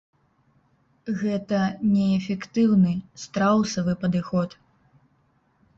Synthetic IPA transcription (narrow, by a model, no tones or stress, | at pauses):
ɣɛt̪ɐnʲɛːfʲɛkt̪ɨwnɨst̪ɾawsɐvɨpɐd̪ɨxɔt̪